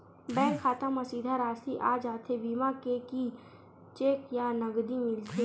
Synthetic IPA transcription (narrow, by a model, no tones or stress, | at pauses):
bɛ̃ːŋkʰːaːt̪amɐsiːd̪ʱaɾaːsiʔaːd͡ʒaːt̪ʰebiːmakeki | t͡ʃeːkjanəɡd̪imɪlt̪ʰe